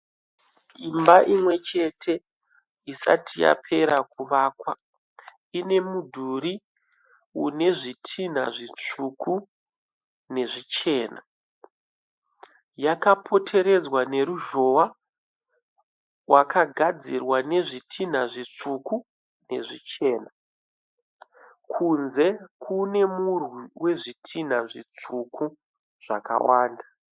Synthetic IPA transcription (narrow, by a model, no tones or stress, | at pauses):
imbaʔimwe̞t͡ʃe̞tʰe̞ | isa̰tʰija̰pʰe̞ɾak̚uʋaːkwa | ine̞mudʱuɾi | une̞ʐitʰin̤a̰ʐit͡ʂuku | ne̞ʐit͡ʃe̞ːna̰ | jakapʰo̞tʰe̞ɾe̞d͡zwane̞ɾuʒo̞wa | wakʰaɡʱad͡zirwane̞ʐitʰin̤aʐit͡ʂuku | ne̞̰ʐit͡ʃe̞ːna | kʰunze̞kʰune̞murwiwe̞ʐitʰin̤aʐit͡ʂukʰu | ʐ̥a̰ka̰waːnda